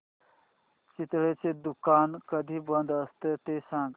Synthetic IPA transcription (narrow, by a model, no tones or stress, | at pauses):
t͡ʃit̪ɽet͡sed̪ukankəd̪ʱibənd̪əst̪et̪esãŋɡ